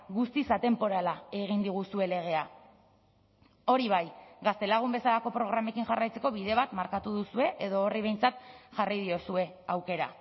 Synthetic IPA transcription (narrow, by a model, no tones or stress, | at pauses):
ɡust̪isat̪e̞mpo̞ɾalae̞ɣ̞ind̪iɣ̞usue̞le̞ɣ̞e̞a | o̞ɾiβajɡast̪e̞laɣ̞umbe̞salako̞pɾo̞ɣ̞ɾame̞kinʝarajt͡se̞ko̞βiðe̞βat̪maɾkat̪uðusue̞ʔeðo̞ːriβe̞jnt͡sat̪ʝarajð̞iosue̞ | awke̞ɾa̰